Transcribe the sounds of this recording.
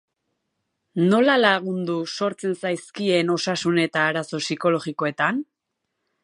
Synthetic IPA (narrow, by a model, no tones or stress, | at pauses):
no̞lalaɣ̞und̪uso̞ɾt͡se̞nsajskie̞no̞sasune̞t̪aːɾaso̞siko̞lo̞ɣiko̞et̪an